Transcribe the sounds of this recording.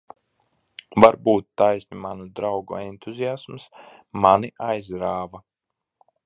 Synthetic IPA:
vaɾbuːt̪ːajsʲnʲimanud̪ɾawɡṵɛnt̪uzijasms | maniʔajzɾaːva

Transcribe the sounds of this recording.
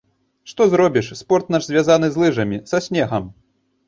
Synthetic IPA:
ʂt̪ɔzɾɔbʲiʂspɔrt̪naʐzʲvʲazan̪ɨzlˠɨʐɐmʲisɐsʲnʲɛɣɐm

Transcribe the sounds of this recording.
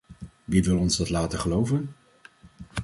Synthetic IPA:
ʋiʋɪlˠɔnzdɑtlaːtəχəlowvən

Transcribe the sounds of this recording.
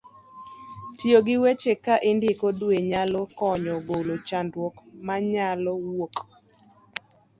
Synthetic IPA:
tjoɡɪwet͡ʃekaʔɪndɪkodweɲalɔkɔɲɔbolot͡ʃandwɔkmaɲalɔwok

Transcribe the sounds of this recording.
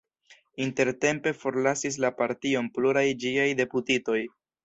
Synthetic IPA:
inte̞ɾte̞mpe̞fo̞ɾlasis̬lapaɾtio̞npluɾajd͡ʒiajde̞putito̞j

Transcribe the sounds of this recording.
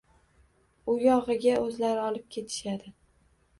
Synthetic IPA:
ʊjɒʁɨɡʲaʔɵzlaɾɪɒlɪp̚kʲʰe̞t̪ʰɪ̥ʃad̪ɪ

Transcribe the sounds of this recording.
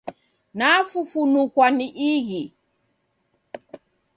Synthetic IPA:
nafufunukwaniʔiɣi

